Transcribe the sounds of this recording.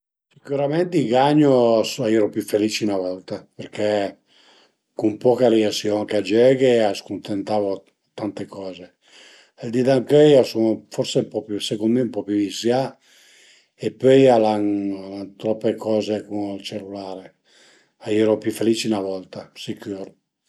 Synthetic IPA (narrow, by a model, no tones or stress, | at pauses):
sikuɾamɛnt̪eiɡaɲːosaiːɾopjufelit͡ʃinavɔlt̪apeɾkʰe | kumpɔːkaɾiasjoaŋkead͡ʒɛɡeaskunt̪ent̪aːvo | t̪ant̪ekɔːze | eld̪id̪aŋkøjasonofɔɾseumpɔpusekond̪meumpɔpjuvisja | epːøjalaŋt̪ɾɔpːekɔːzekunlt͡ʃelːulaːɾe | aiːɾopjufeliːt͡ʃinavɔlt̪asikuːɾ